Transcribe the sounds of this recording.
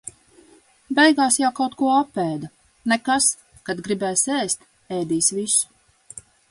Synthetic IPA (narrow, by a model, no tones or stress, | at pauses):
bɛjɡaːsjawkawt̪kuɔapːɛːd̪a | nɛkas | kad̪ɡɾibɛːsɛːst̪ | ɛːd̪iːsvisu̥